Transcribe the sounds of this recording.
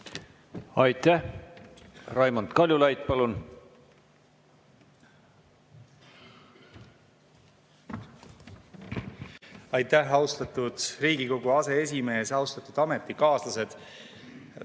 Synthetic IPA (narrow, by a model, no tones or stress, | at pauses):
ɑjt̪ːæh | rɑjmond̪̥kɑlʲjulɑjd̪pɑlun | ɑjt̪ːˑæɦɑwst̪ɑt̪ːud̪̥riːɡiko̞ɡ̥uɑse̞e̞sʲime̞ːsɑwst̪ɑt̪ːˑud̪̥ɑmet̪ːˑikɑːslɑse̞d̪̥